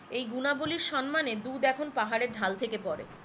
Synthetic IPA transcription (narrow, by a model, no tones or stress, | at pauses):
ejɡunaboliɾʃɔnmaned̪ud̪ɛkʰonpaɦaɾeɾɖʱalt̪ʰekepɔɾḛ